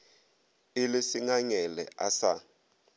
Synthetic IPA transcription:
ilisiŋaɲɛlɛ̰ʔa̰sa

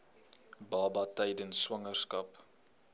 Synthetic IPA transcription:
bɑːbɐtɛjdənswɐŋərskɐp

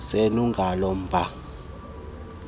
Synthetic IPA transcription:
senuŋɡʱalɔm̩bʱa

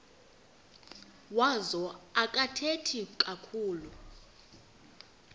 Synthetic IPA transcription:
wazɔakʼatʰetʰikʼakʰuːlu

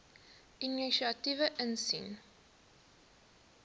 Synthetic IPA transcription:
ʔiniʃiɐtivəʔənsḭn

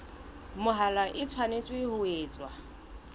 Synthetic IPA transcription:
mʊɦalaʔɪt͡sʰwanet͡sʼwɪhʊeːt͡sʼwa

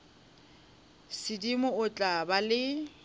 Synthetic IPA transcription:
sɪdimʊʊt͡ɬʼabalɪ

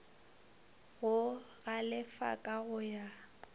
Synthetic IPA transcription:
ɣʊ | ɣalɪfa̰kʼaɣʊja

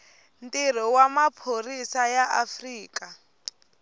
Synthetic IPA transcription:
ntʼirɔwamapʰorisajaafriːkʼa

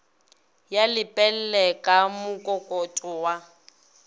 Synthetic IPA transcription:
jalɪpʼɛl̩lɛkʼamʊkʼɔkʼɔtʼɔwa

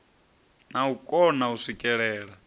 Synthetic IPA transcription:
naukʼɔnauʂikʼɛɺɛːɺa

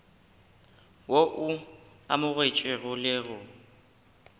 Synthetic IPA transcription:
woʔʊ | a̰mʊɣwet͡ʃʼwɪɣʊlɪɣʊ

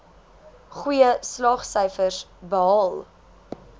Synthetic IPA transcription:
χwijəslɑːχsəjfərsbəɦɐlˠ

